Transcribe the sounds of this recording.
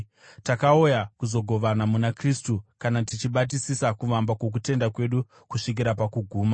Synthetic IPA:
takaujakuzo̞ɡʱo̞ʋanamunakristukanatit͡ʃiɓat̬isisakumambako̞k̬ute̞ndakwe̞ɗu | kuʂik̬iɾapakuɡʱuːma

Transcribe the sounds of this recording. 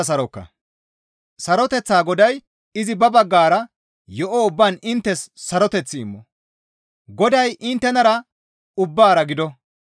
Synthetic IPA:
ɐs̬ɐɾɔkːɐ̰ | sɐɾɔt̪ɛt͡sːaːɡɔd̪ɐj | ɪzɪbɐbɐɡːaːɾɐ | jɔʔoːʊbːanɪnt̪ːɛsːɐɾɔt̪ɛt͡sːɪɪmːɔ | ɡɔd̪ɐjʔɪnt̪ːɛnɐɾɐ | ʊbːaːɾɐɡɪd̪ɔ

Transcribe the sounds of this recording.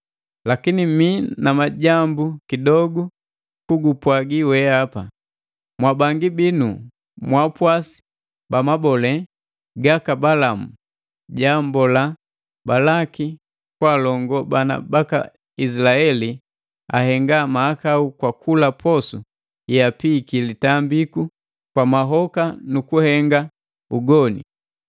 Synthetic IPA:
lakiniminamaɟambukidɔɡu | kuɡupwaɡiwɛapa | mwabaŋɡibinu | mwapwasi̥ | bamabɔlɛ | ɡakabalamu | ɟambɔla | balaki | kwalɔŋɡɔbana̰baka̰ | isilaɛli | a̰hɛŋɡamaːkaukwakʰulapɔsu | apikilitambiku | kwamaɦɔkanukuhɛŋɡa | uɡɔnḭ

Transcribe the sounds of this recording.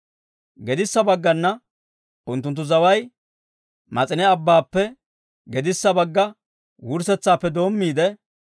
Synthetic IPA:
ɡɛd̪ɪsːɐbɐɡːɐnːɐ | ʊnt̪ːʊnt̪̬ːʊzɐwɐj | mɐt͡sʼɪnɛɐbːaːpːɛ | ɡɛd̪ɪsːɐbɐɡːɐ | wʊɾsɛt͡sːaːpːɛd̪o̞ːmːiːd̪ɛ

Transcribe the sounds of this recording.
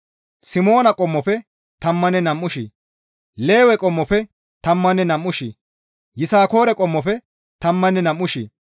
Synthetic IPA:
sɪmo̞ːnɐkʼɔmːɔfɛ | t̪ɐmːɐnɛnɐmːʊʃi | le̞ːwɛkʼɔmːɔpɛ | t̪ɐmːɐnːɛnɐmːʊʃi | jɪsaːko̞ːɾɛkʼɔmːɔpɛ | t̪ɐmːɐnːɛnɐmːʊʃi

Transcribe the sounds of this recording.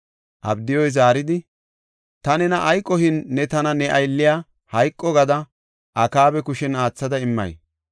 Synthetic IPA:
ʔɐ̰bd̪ɪjɔjzaːɾɪd̪ɪ | t̪ɐnɛnɐʔɐjkʼːɔɦɪnːɛt̪ɐnɐnɛʔɐjlːɪjaː | hɐjkʼːɔɡɐd̪ɐ | ʔɐkaːbɛkʊʃɛnaːt͡sːɐd̪ɐɪmːɐ̰j

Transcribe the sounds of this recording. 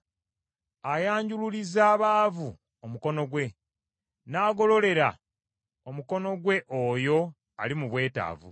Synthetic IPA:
ajaːɲɟululizaːβaːvu | omuko̞no̞ɡwe̞ | naːɡo̞lo̞le̞ɾa̰ | omuko̞no̞ɡwe̞ʔoːjo̞ | alimuβwe̞ːta̰ːvṵ

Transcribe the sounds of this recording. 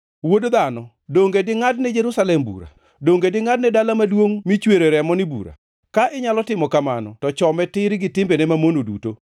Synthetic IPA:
wodd̪anɔ | doŋɡedɪŋadnɛd͡ʒɛɾusalɛmbṵɾa̰ | doŋɡedɪŋadnɛdalamadwoŋmit͡ʃweɾeɾɛmɔnɪbṵɾa̰ | kaʔɪɲalɔtɪmɔkamanɔ̰tɔt͡ʃɔmɛtɪɾɡɪtɪmbenɛmamonoduto

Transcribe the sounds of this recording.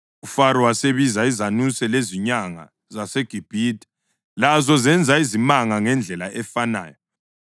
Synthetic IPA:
ufaɾɔwaseβizaizanusɛleziɲaŋa̰ | zaseɡ̥ʱib̥ʱidʼɛ̥ | lazɔzɛnd͡zʱaizimaŋaŋɛnd͡ɮʱɛlaʔɛfana̰ːjɔ

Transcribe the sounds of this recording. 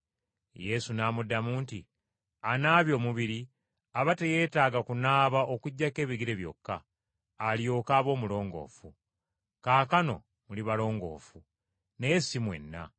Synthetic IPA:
je̞sunaːmudːamuːnti | anaːβjo̞ːmuβiɾi | aβateje̞ːtaːɡakunaːβaʔo̞kuɟːake̞ːβiɡiɾe̞βjo̞̰kːaː | ljo̞ːkaːβo̞ːmulo̞ːŋɡo̰ːfu | kaːkano̞̰ | muliβalo̞ːŋɡo̞̰ːfu | ne̞simwe̞̰nːa̰

